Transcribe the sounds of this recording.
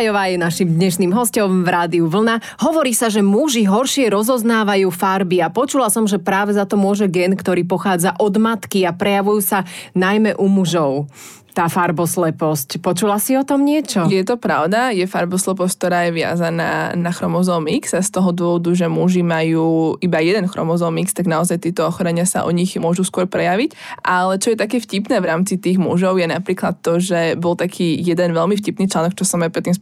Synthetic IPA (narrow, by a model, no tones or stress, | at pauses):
jɔʋaːjɛnaʃimd̪ɲɛʃniːmɦɔscɔmvɾaːd̪iuʋl̩na | ɦɔʋɔɾiːsaʒɛmuʒiɦɔɾʃɪɛɾɔzɔznaːʋajuːfaɾbiapɔt͡ʃulasɔmʒɛpɾaːʋɛzat̪ɔmʊɔʒɛɡɛnkt̪ɔɾiːpɔxaːd͡zaʔɔd̪mat̪kiapɾɛjaʋujuːsanajmɛʔumuʒɔʊ | t̪aːfaɾbɔslɛpɔscpɔt͡ʃulasiɔt̪ɔmɲɪɛt͡ʃɔjɛt̪ɔpɾaʊd̪ajɛfaɾbɔslɛp̬ɔsc̚t̪ɔɾaːjɛʋɪa̰zana̰naxɾɔmɔzɔmiksast̪ɔɦɔd̪ʋɔʋɔd̪uʒɛmuʒimajuːʔibajɛd̪ɛnxɾɔ̰mɔzɔmikst̪aɡnaɔzajt̪ɪɛt̪ɔɔxɔɾɛɲɪasa̰ʔɔ̰ɲiɣmʊɔʒuskʊɔɾpɾɛjaʋic | ʔalɛt͡ʃɔjɛt̪akɛːfcipnɛːʋɾaːmt͡sit̪iːɣmṵʒɔʊjɛnapɾiːklat̪ːɔʒɛbɔlt̪akʰiːjɛd̪ɛnʋɛlmifcipniːt͡ʃlanɔk̚t͡ʃɔsɔmapɾɛt̪ːims